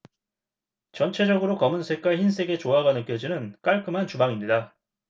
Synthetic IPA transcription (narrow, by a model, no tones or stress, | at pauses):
t͡ɕʌnt͡ɕʰe̞d͡ʑʌɡɯɾokʌmɯnsʰe̞k͈aɭçins̬͈e̞ɡe̞t͡ɕoɦaɡanɯk͈jʌd͡ʑinɯnk͈aɭk͈ɯmɦant͡ɕubaŋimɲida